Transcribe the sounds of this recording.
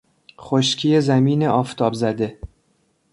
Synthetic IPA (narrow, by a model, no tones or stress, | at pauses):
χoʃcʰiːjezæmiːneʔɒːft̪ʰɒːbzæd̪e̞